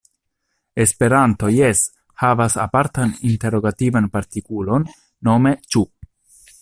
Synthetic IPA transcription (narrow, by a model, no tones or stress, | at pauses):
e̞spe̞ɾanto̞je̞s | havasa̰paɾtaninte̞ɾo̞ɡativanpaɾtikulo̞nː | o̞me̞t͡ʃu